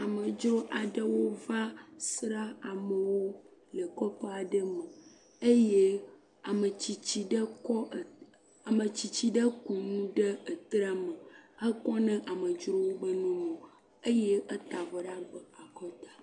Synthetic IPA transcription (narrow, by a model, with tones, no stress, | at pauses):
a˨mə˨d͡ʒɾo˦ʔa˨ɖə˦wo˦va˦sɾa˦a˨mə˨wo˦lə˨kɔ˦ɸe˦a˨ɖə˦mə̃˨ | e˦je˦ | a˨mə˨t͡ɕi˨t͡ɕi˨ɖə˦kɔ˦˨ | a˨mə˨t͡ɕi˨t͡ɕi˦ɖə˦ku˨nũ˦ɖə˦ə˨t̪ɾa˦mə̃˨ə˦kɔ˦nɛ̃˦ʔa˨mə̃˨d͡ʒɾo˦wo˦bə˦nɔ̃˦mɔ̃˨ | ə˦je˦ə˦t̪a˨vɔ˨ɖa˦ɡ͡bə˨a˨kɔ˦t̪a˨